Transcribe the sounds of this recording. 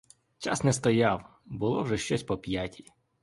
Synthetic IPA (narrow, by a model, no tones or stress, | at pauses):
t͡ʃasnɛst̪ɔjaw | bʊlˠɔwʒɛʃt͡ʃɔsʲpɔpʲjatʲʰi̥